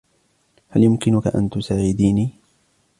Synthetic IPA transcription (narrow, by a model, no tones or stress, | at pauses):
haljʊmkɪnʊkaʔa̰nt̪ʊsaːʕɪd̪iːniː